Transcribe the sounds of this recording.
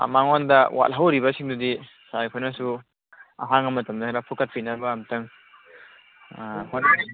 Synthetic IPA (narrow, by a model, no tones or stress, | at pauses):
a̰maŋɔndɐwʔa̰t̚ɦawɾibɐsiŋdudi | sajkʰɔjnasu | aɦaŋɐmɐtɐmdɐɾapʰukɐt̚pʰinabɐːmtɐŋ | kʰɔjna